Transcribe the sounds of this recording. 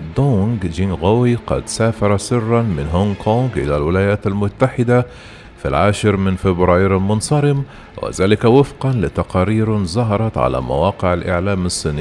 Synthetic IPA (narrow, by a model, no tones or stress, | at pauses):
d̪oŋɡd͡ʒinɣawiqɑ̰d̪saːfɑɾˤɑsɪrːɑnmɪnɦʊŋkʰoːŋɡʔɪ̰lalwɪlaːjaːt̪almʊt̪ːaħɪd̪a | fḭlʕaːʃɪɾmɪnfɪbɾɑːjɾalmʊnsˤɑɾɪm | wɪ̰zaːlɪkawɪfqɑnlɪt̪ɑqɑːɾiːɾnzˤɑɦɑɾˤɑt̪ʕa̰la̰ːma̰wɑːqɪʕalʔɪ̰ʕlaːmɑsˤːiːnɪ